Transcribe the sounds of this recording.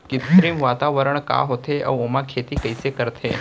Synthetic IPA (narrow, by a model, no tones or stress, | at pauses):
kɪt̪ɾimʋat̪aʋəɾəɳ̃ka̰ɦot̪ʰeʔə̰ʋomãkʰet̪ikəjsekəɾt̪ʰe